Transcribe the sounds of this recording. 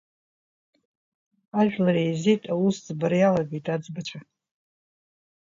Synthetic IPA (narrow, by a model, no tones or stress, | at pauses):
aʒᶣlarejzitʼawusd͡zbarjalaɡejtʼad͡zbat͡ʃʷʰa